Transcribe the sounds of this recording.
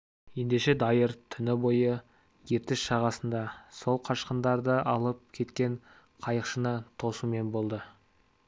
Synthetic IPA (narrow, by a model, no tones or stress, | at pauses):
je̞nd̪e̞ʃe̞d̪ɑjəɾt̪ʰʏnɪbo̞jə | je̞t̪ɪʃʃɑʁɑsənd̪ɑso̞lˠqʰɑʃqənd̪ɑɾd̪əʔɑlˠəp̚kʲʰe̞t̪kʲe̞n | qʰɑjəqʃənət̪ʰo̞sume̞nbo̞lˠd̪ə